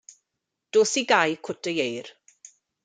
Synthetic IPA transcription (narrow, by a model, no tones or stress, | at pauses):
d̥oːsiɡajkʰʊtʰəjejr